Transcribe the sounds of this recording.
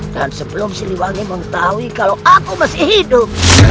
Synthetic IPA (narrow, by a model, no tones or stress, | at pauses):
dansəbəlʊmsiɾiwaniməŋət̪aɦuikaloʔakuməsihidʊp̚